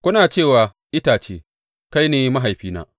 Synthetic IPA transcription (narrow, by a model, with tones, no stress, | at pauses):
kʷʊ˦naː˨t͡ʃeː˦˨waː˨ | ʔɪ˦taː˨t͡ʃeː˦ | ka˦jneː˨˦ma˦ɦa˨jɸiː˦na̰ː˦